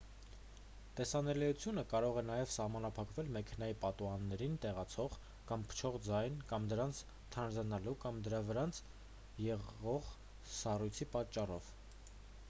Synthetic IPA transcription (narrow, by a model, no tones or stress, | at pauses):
t̪ɛsɑnɛlijut͡sʰjunəkɑɾɔʁɛnɑjɛvsɑhmɑnɑpʰɑkvɛlmɛkʰɛnɑjipɑt̪uɑnːɛɾint̪ɛʁɑt͡sʰɔʁ | kɑmpʰə̥t͡ʃʰɔʁd͡zɑjnkɑmd̪əɾɑnt͡sʰ | t̪ʰɑnd͡zɑnɑlukɑmd̪əɾɑvəɾɑnt͡sʰ | jɛʁɔʁ | sɑrujt͡sʰipɑt͡ʃːɑrɔv̥